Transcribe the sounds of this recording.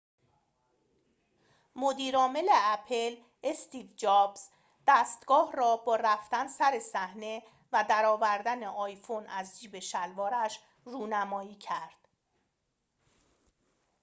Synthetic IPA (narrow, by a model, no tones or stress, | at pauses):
mo̞d̪iːɾɒːme̞le̞æpʰe̞l | est̪iːvd͡ʒɒːbz̥ | d̪̥æːst̪ɡ̥ɒːɦrɒːbɒːɾæft̪ænsæɾe̞sæhne̞ | væd̪æɾɒːvæɾd̪æneʔɒːjfonæzd͡ʒiːbe̞ʃælvɒːɾæʃ | ruːnæmɒːiːcʰæɾd̪̥